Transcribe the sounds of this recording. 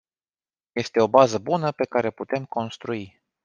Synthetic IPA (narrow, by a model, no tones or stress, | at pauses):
je̞st̪e̞o̞bazəbunəpe̞kaɾe̞put̪e̞mko̞nst̪ɾui